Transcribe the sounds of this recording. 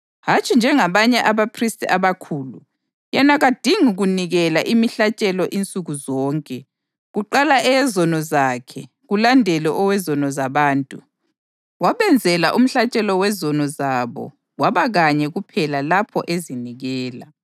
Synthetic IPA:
ɦat͡ʃʼind͡ʒʱɛŋaβaɲɛʔaβapʰristʼiaβakʰuːlṵ | jɛnaɣad̥ʱiŋuɣuniɣɛlaʔimiɬat͡ʃʼɛlɔʔint͡sʼuɣuzɔːŋkʼɛ | ɣuǃalaʔɛːzɔnɔzakʰɛ̰ | ɣulandʱɛlɛʔɔwɛzɔnɔzaβaːntʼu | waβɛnd͡zʱɛla̰ʔum̩ɬat͡ʃʼɛlɔwɛzɔnɔzaβɔ̰ | waβaɣaɲɛɣupʰɛlalapʰɔ̰ʔeziniɣɛːla

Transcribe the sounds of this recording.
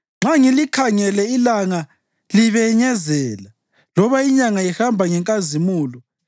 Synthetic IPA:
ŋ͡ǁaŋilikʰaŋɛlɛilaŋa | liβɛɲɛzɛːla | lɔβaiɲaŋaihambʱaŋɛŋkʼazimuːlɔ

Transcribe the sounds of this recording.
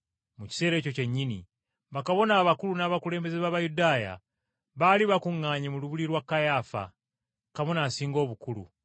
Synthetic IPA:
muci̥se̞ːɾe̞ːco̞ce̞ɲːinḭ | βakaβo̞naːβakulunaːβakule̞ːmbe̞zeβaːβajudaːja̰ | βaːliβakuŋːaːɲemuluβuliɾwakːajaːfa̰ | kaβo̞naːsiːŋɡo̞ːβukulṵ

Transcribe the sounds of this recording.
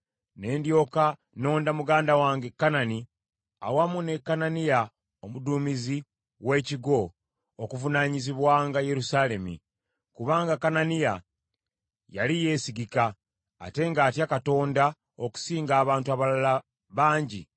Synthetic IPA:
ne̞ːndjo̞ka | no̞ːndamuɡaːndawaːŋɡe̞kːanani | a̰wamune̞kːananija | omuduːmizi | we̞ːciɡo̞ | okuvunaɲiziβwaːŋɡaje̞ɾusaːle̞mḭ | kuβaːŋɡakananija | jalije̞ːsiɡika̰ː | te̞ŋɡaːtjakato̞ːnda | oku̥siːŋɡaːβaːntuaβalala | βaːɲɟḭ

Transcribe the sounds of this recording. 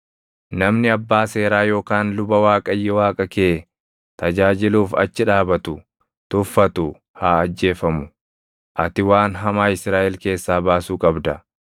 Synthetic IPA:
nɐmnɪɐbːaːse̞ːɾaːjo̞ːkaːnlʊbɐwaːkʼɐjːɛwaːkʼɐkeː | t̪ɐd͡ʒaːd͡ʒɪluːfɐ̰t͡ʃːɪᶑaːbɐt̪ʊ | t̪ʊfːɐt̪ʊ | haːɐd͡ʒːe̞ːfɐmʊ | ʔɐt̪ɪwaːnɦɐmaːɪsɾaːʔɛlke̞ːsːaːbaːsuːkʼɐbd̪ɐ

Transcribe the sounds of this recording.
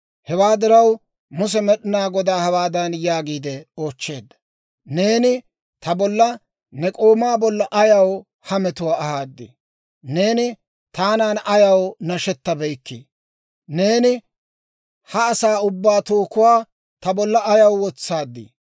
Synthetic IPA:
hɛwaːd̪ɪɾɐw | mʊs̬ɛmɛɗɪnaːɡɔd̪aːhɐwaːd̪ɐnjaːɡiːd̪ɛo̞ːt͡ʃːe̞ːd̪ːɐ̥ | ne̞ːnɪ | t̪ɐbɔlːɐ | nɛkʼoːmaːbɔlːɐʔɐjɐw | hɐmɛt̪ʊwaːhaːd̪ːɪ̰ | ne̞ːnɪ | t̪aːnaːnɐjɐwnɐʃɛt̪ːɐbɛjkːi | ne̞ːnɪ | hɐːsaːʊbːaːt̪oːkʊwaː | t̪ɐbɔlːɐːjɐwwɔt͡sːaːd̪ːḭ

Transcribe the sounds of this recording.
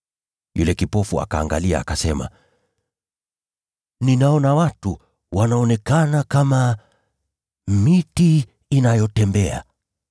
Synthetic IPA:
jṵlɛkipɔfua̰kaːŋɡa̰lia̰ːkasɛma̰ | ninaɔnawatu | wanaɔnɛkanakama | mitiː | najɔtɛmbɛa̰

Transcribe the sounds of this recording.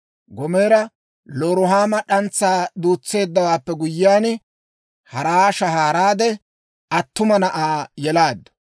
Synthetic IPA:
ɡɔme̞ːɾɐ | lɔːɾʊɦaːmɐᶑɐnt͡sːaːd̪uːt͡sːe̞ːd̪ːɐwaːpːɛɡʊjːɪaːn | hɐɾaːʃɐhaːɾaːd̪ɛ | ɐt̪ːʊmɐnɐʔaːjɛlaːd̪ːɐ̥

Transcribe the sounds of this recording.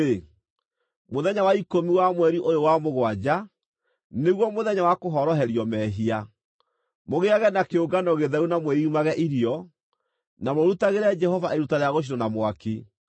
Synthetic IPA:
e | moðɛɲawaikomiwamwɛɾiʔojowamoɣwad͡ʑa | neɣwɔmoðɛɲawakoɦɔɾɔɦɛɾjɔmɛɦia | moɣeaɣɛnakeoɡanɔɣeðɛɾunamwɛiumaɣɛʔiɾiɔ | namoɾutaɣeɾɛd͡ʒɛhɔvaʔeɾutaɾeaɣoʃ̬iɾɔnamwaki

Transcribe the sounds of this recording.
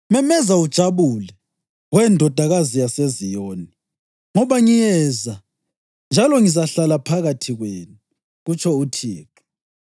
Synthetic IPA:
mɛmɛzaud̥ʒ̥ʱaβulɛ | wɛndʱɔd̥ʱaɣazijasezijoːni | ŋɔβaŋijɛza | nd͡ʒʱalɔŋizaɬalapʰaɣatʰiɣweːnu | ɣut͡ʃʰɔutʰiːǁu̥

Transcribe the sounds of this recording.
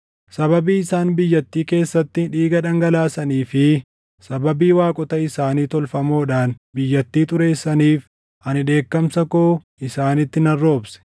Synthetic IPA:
sɐβɐbiːɪsaːnbɪjːɐt̪ːiːke̞ːsːɐt̪ːɪᶑiːɡɐᶑɐŋɡɐlaːsɐniːfɪ | sɐbɐbiːwaːkʼɔt̪ɐɪsaːniːt̪ɔlfɐmoːᶑaːn | bɪjːɐt̪ːiːt̪ʊɾe̞ːsːɐniːf | ʔɐnɪᶑe̞ːkːɐmsɐkoː | ɪsaːnɪt̪ːɪnɐrːo̞ːbsɛ̥

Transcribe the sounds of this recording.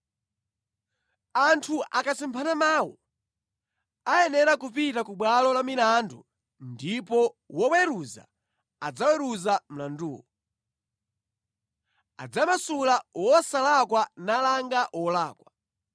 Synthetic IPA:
antʰuʔakasimpʰanamaːwɔ | ajɛnɛɾakupitakuɓwalɔlamilandṵ | ndipɔwɔwɛɾuza̰ | ad͡zawɛɾuzam̩landuːwɔ | a̰d͡zamasulawɔsalakwanalaŋɡaʔwɔlaːkwa

